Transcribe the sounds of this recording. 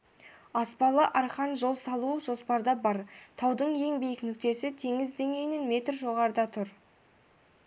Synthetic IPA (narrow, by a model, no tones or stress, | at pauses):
ɑspɑlˠəʔɑɾχɑnʒo̞lˠsɑlˠuʒo̞spɑɾd̪ɑbɑɾt̪ʰɑwd̪əɴje̞ŋbijɪknʏk̚t̪e̞sɪt̪ʰe̞ŋɪzd̪e̞ŋe̞jnɪnme̞t̪rʒo̞ʁɑɾd̪ɑt̪ʰʊɾ